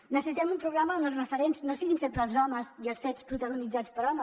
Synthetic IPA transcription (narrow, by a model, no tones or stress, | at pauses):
nəsəsit̪ɛmumpɾuβlamənəlˠsrəfəɾensnosiɣinsempɾəːlˠzɔməziəlˠsfɛspɾut̪əɣunid͡zat͡spəɾɔmə